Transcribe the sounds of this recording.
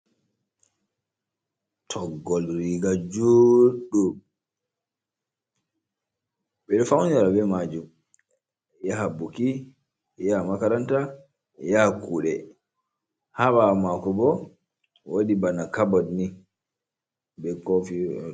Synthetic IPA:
tʰɔɡːɔlɾiɡad͡ʒuɗu | bɛɗfawnaɾabɛmad͡ʒum | jaɦabuki | jamakaɾanta | jakuːɗɛ | habamakɔbɔ | wodibanakabɔdni | bɛkɔfi

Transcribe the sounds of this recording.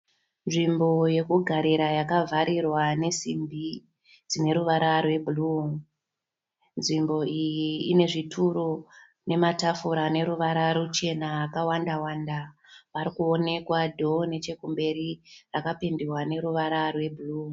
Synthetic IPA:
nʐimbo̞je̞kuɡʱaɾiɾajakavʱaɾirwane̞simbi | d͡zine̞ɾuʋaɾarwe̞bʱuluŋ | nʐimbo̞ijiːne̞ʐitʰuɾo | ne̞matafuɾane̞ɾuʋaɾaɾut͡ʃe̞naːkawandawandaʋaɾikuone̞kwadʱo̞ne̞t͡ʃe̞kumbe̞ɾirakapendirwane̞ɾuʋaɾarwe̞bʱuluŋ

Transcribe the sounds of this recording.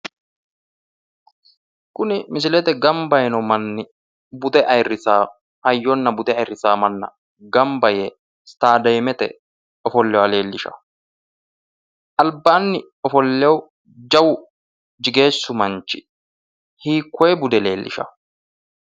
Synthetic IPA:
kʊnɪmɪs̬ɪlɛt̪ɛɡɐmbɐjɛnɔmɐnːɪ | bʊt̪ɛʔɐjrɪsaː | ɐjːɔnːɐbʊt̪ɛɐjrːɪsaːmɐnːɐ̰ | ɡɐmbɐjɛ | st̪aːd̪ɐjmɛt̪ɛ̰ | ɔfɔlːɛwɐle̞ːlːɪʃɐ̰ | ʔɐlbːaːnːɪ | ɔfɔlːɛwʊ | d͡ʒɐwʊ | d͡ʒɪɡe̞ːsːʊmɐnt͡ʃːɪ̥ | hiːkʰːɔjɛbʊd̪ɛle̞ːlːɪ̰ʃɐ̰

